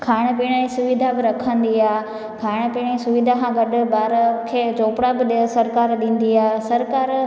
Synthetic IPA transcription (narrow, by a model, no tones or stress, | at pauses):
kʰaːɪɽ̃piːɽ̃aĩsʊʋɪd̪ʱabɪɾɐkʰə̃nd̪iaːɦ | kʰaːɪɽ̃əpiːɽ̃ĩsʊʋɪd̪ʱakʰãɡɐɗʊbaːɾkʰeːt͡ʃoːpɽabɪɗsɐɾkaːɾɗĩːn̆d̪iaːsɐɾkaːɾ